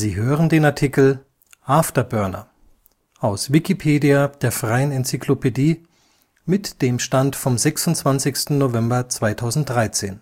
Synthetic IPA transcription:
ziːɦøːʁəndeːnaɐtʰikl̩ | ʔaftɐbœɐnɐ̰ | ʔaʊsvikipʰeːdiad̥eːɐfʁ̥aɪənɛnt͡sikʰlopʰediː | mɪtd̥eːmʃtantfɔmzɛksʊntt͡sv̥ant͡sɪçstn̩novɛmbɐt͡sv̥aɪtʰaʊzn̩t̚d̥ʁaɪt͡sḛːn

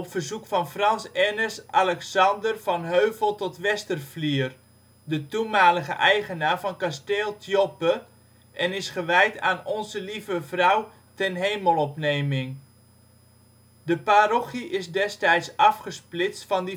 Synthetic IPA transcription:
ɔpfərzukfɑnfrɑnsɛnəsalɛksɑndərvɑnɦøɥvəlˠtɔtʋɛstərfliər | dətumaːləχəʔɛjχənaːrvɑnkasteːlˠtʰjopə | ʔɛnɪsχəʋɛjtaːnɔnzəlivəvrʌw | tɛnɦejməlˠɔpnejmɪŋ | dəparɔχiʔɪsdɛstɛjtsɑfχəsplɪt͡stfɑnd

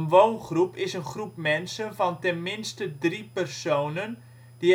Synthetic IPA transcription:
ənʋoːnχrupɪsənχrupmɛnsənfɔntɛnmɪnstədripərsoːnən | d̥i

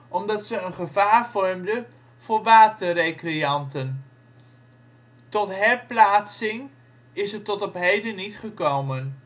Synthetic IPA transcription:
ɔmdɑtsəənχəvaːɹvɔɹmdə | v̥ʊːɹʋaːtərejkrijɑntən | tɔtɦɛɹplaːtsɪŋ | ɪsətɔtɔpɦejdənitχəkowmən

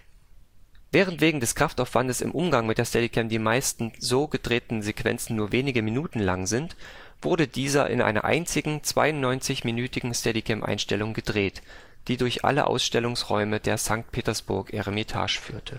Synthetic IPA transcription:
vɛːʁ̞əntv̥eːɡŋ̩dɛskʁ̥aftaʊfv̥andəsɪ̰mʔʊmɡaŋmɪtd̥eːɐstɛdikʰɛmdiːmaɪstn̩zoːɡədʁeːtn̩zekv̥ɛ̰nt͡sn̩nuːɐveːnɪɡəminuːtn̩laŋzɪnt | v̥ʊɐɾədiːzɐ̰ʔɪ̰nʔa̰ɪnɐ̰ʔa̰ɪnt͡sɪɡŋ̩t͡sv̥a̰ɪʊnnɔʏnt͡sɪçminyːtɪɡŋ̩stɛdikʰɛmʔa̰ɪnʃtɛlʊŋɡədʁeːt | d̥iːdʊɐçʔa̰lə̰ʔa̰ʊsʃtɛlʊŋsʁɔ̰ʏmədeːɐzaŋk̚t̚pʰeːtɐsb̥ʊ̰ɐkʰɛʁəmitʰa̰ːʃfy̰ːɐtʰə

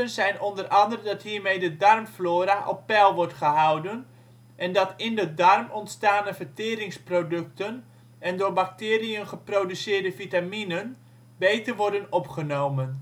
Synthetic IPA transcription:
ənzɛjnɔndərʔɑndərədɑtɦiːɹmejdədɑrmfloːɾaʔɔpːɛlˠʋɔɹtχəɦɑwdən | ʔɛndɑtɪndədɑrmɔntstaːnəvəɹtɪːɾɪŋsprodɵk̚tən | ɛndʊːɹbak̚tɪːrijənχəprowdysɪːɹdəfitaminən | bejtərʋɔɹdənɔpχənowmən

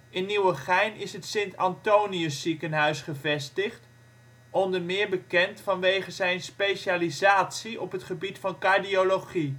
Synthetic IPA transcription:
ɪnːiwəχɛjnɪsɦətsɪntɑntowniəsːikənɦœɥsχəvɛstɪχt | ʔɔndəɹmɪːɹbəkɛntfɑnʋejχəzɛjnspejʃaːlizaːtsiɔpɦətχəbitfɑnkaɹdioloχi

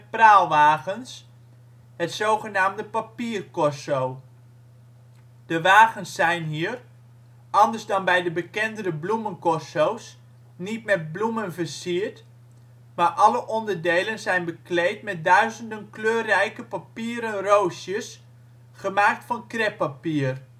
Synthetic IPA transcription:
praːlˠʋaːɣəns | ɦətsowχənaːmdəpapiːrkɔsow | d̥əʋaːɣənsːɛjnɦiːər | ʔɑndəɹzdɑnbɛjdəbəkɛndərəblumənkɔsows | nitmɛt̚blumənvəɹsiəɹt | maːɹʔɑləʔɔndəɹdejlənzɛjnbəklejtmɛt̚dœɥzəndənkløːrɛjkəpapiːɾənrowsjəs | χəmaːk̚tfɑnkrɛpapiːər

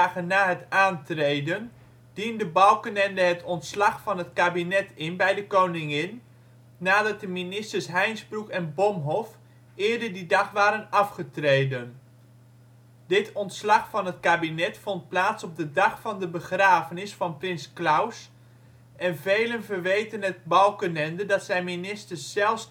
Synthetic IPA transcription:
χənːaːɦətaːntrejdən | d̥indəbɑlˠkənɛndəɦətɔntslɑχfɑnɦətkaːbinɛtɪnbɛjdəkownɪŋɪnː | aːdɑt̚dəminɪstəɹsɦɛjnzbrukɛnbɔmɦɔf | ʔɪːɹdəɹdidɑχʋaːɾənɑfχətrejdən | dɪtʰɔntslɑχfɑnɦətkaːbinɛtfɔnt̚plaːtsɔb̚dədɑχfɑndəbəχraːvənɪsfɑnprɪnsklaws | ʔɛnvejlənvərʋejtənɦət̚bɑlˠkənɛndədɑtsɛjminɪstəɹsːɛlˠfs

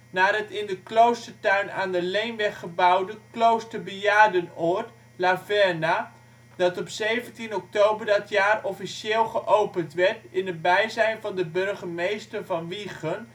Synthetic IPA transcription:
naːrətɪndəklowstərtœɥnaːndəlejnʋɛχəbɑwdəklowstəɹbəjaːdənɔɹt | lavɛɹna | d̥ɑtɔpsejvəntinɔk̚towbəɹdɑtjaːrɔfisɪːlˠχəʔowpəntʋɛɹtɪnət̚bɛjzɛjnvɑndəbɵɹχəmejstərvɑnʋiχən

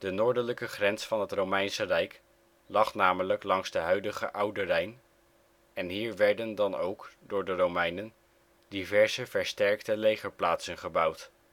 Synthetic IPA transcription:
d̥ənʊːɹdələkəχrɛnsfɑnɦətrowmɛjnsərɛjk | lɑχnaːmələklɑŋzdəɦœɥdəχə̰ʔʌwdərɛjn | ɛnɦiːɹʋɛɹdəndɑnowkdʊːɹdərowmɛjnən | divɛɹzəv̥ɛɹstɛɹktəlejχəɹplaːtsənχəbʌwt

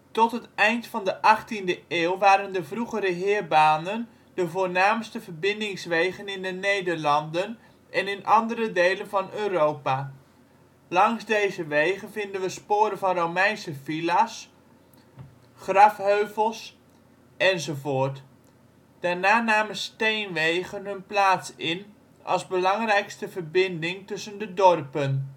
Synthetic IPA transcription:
tɔtɦətɛjntfɑndəʔɑχtindəʔeːlˠʋaːɾəndəvruχəɾəɦɪːɹbaːnən | d̥əvoːnaːmstəvəɹbɪndɪŋsʋejɣənɪndənejdəɹlɑndən | ʔɛnɪnʔɑndəɾədejlənvɑnøːrowpa | lɑŋzdejzəʋejɣənvɪndənʋəspoːɾənvɑnrowmɛjnsəfilas | χrɑfɦøɥvəlˠs | ɛnzovoːɹt | d̥aːɹnaːnaːmənstejnʋejχənɦɵnplaːtsɪn | ʔɑ̰lˠzbəlɑŋrɛjkstəvəɹbɪndɪŋtɵsəndədɔrpən

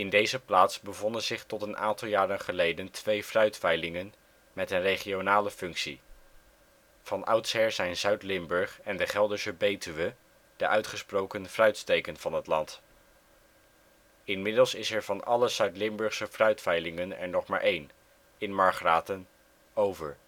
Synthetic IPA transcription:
ɪndejzəplaːtsbəvɔndənzɪχtɔtənʔa̰ːntɑlˠjaːɾənχəlejdəntʰʋejfrœɥtfɛjlɪŋən | mɛtənrejχionaːləfɵŋksḭ | v̥ɑnʔɑ̰wtsɦɛɹzɛjnzœɥtlɪmbɵɹχɛndəχɛlˠdəsəbejtyʋə | d̥əʔœɥtχəsprowkənfrœɥtstejkənv̥ɑnɦətlɑnt | ɪnmɪdəlˠsɪsɛɹvɑnɑləzœɥtlɪmbɵɹχsəfrœɥtfɛjlɪŋənɛ̰ɹnɔχmaːɹʔejn | ɪnmɑɹχraːtən | owvəɹ

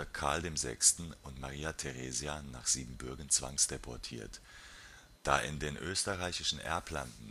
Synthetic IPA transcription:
ɐkʰaɐldeːmzɛ̰kstn̩ʊntmaʁiːatʰeʁeːzjana̰ːχz̥iːbm̩bʏɐɡən̩t͡sv̥a̰ŋsd̥epʰɔɐtʰḭːɐt | d̥aːʔɪ̰ndeːnʔøːstəʁaɪçɪʃn̩ʔɛ̰ɐpla̰ndn̩

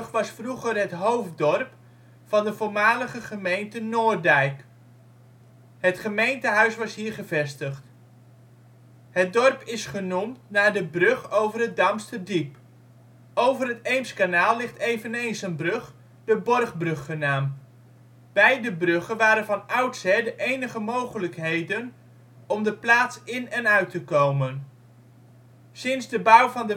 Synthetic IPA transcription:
xʋɑsfruɣərɦətɦowfdɔrp | fɑndəvoːrmaːləɣəχəmejntənoːrdɛjk | hətχəmejntəɦœɥsʋɑshiːrχəvɛstəχt | hət̚dɔrpɪsχənumtnaːdəbrøχowvərət̚damstədip | owvərɦətejmskanaːlˠlɪχtejvənejnsənbrøχ | d̥əbɔrχbrɵχːənaːm | bɛjdəbrɵχənʋaːɾənvɑnʌwtsɛdəʔejnəχəmowχələkɦejdən | ɔmdəplaːtsɪnɛnœɥtəkowmən | sɪnzdəbʌwvɑndə

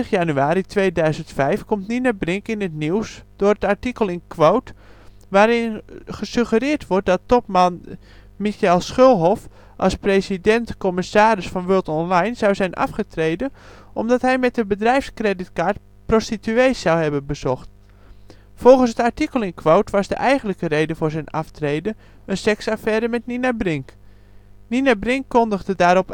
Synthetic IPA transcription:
əχjanyaːɾitʋejdœɥzəntfɛjfkɔmtninabrɪŋkɪnətniwsd̥ʊrətaɹtikəlˠɪnkʰʋowt | ʋaːɾɪnχəsøχərɪːɹtʋɔɹt̚dɔtɔp̚man | mixɛlˠsχølˠɦɔf | ʔɑ̰lsprejsidɛntkɔmɪsaːɾɪsfɑnʋølˠtɔnlajnz̥awzɛjnʔɑ̰fχətrejdən | ʔɔmdɑtɦɛjmɛt̚dəbədrɛjfskrɛdɪtkaːɹt | prostityejsawhɛbənbəz̥ɔxt | fɔlˠχən̩sətaɹtikəlˠɪnkʰʋowtʋɑzdə̰ʔɛjɣənləkərejdəvʊːɹzɛjnɑftrejdə | ənsɛksafɛːɾəmɛtninabrɪŋk | ninabrɪŋkːɔndəɣdədaːɾɔp

